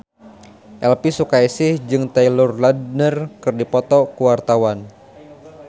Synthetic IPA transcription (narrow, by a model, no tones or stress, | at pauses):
ʔɛlpisukaisɪhd͡ʒɨŋt̪ɛilʊrladnərkɨrdipɔt̪ɔkuwart̪awan